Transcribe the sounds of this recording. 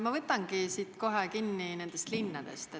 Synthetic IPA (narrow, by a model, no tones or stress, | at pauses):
mɑvɤt̪ːˑɑŋɡ̥isiːt̪ko̞ɦekinːine̞nd̪̥e̞st̪linːɑd̪̥e̞̰st̪e